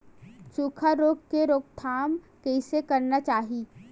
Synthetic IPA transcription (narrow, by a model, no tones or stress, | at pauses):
suːkʰaɾoːɡkeɾoːk̚t̪ʰaːm | kɛɪsekɐɾnat͡ʃaːɦi